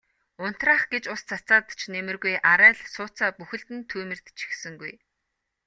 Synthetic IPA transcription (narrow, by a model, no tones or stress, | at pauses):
ʊn̥t̪raːχɡet͡ɕʊst͡sʰat͡saːt̪t͡ɕʰnemɘ̆rɣujʔaɾæːɮsʊːt͡saːpuxɘ̆ɬt̪ɘ̆nt̪ʰuːmɘ̆r̥t̪t͡ɕʰi̥xsɘ̆ŋɡuj